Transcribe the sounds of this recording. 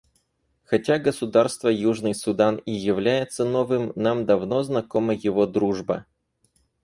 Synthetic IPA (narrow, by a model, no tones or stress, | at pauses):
xɐtʲaɡəsʊd̪arst̪vəjuʐnɨjsʊd̪anijɪvlʲæjɪt̪sənovɨmnamd̪ɐvnoznɐkoməjɪvod̪ɾuʐbɐ̰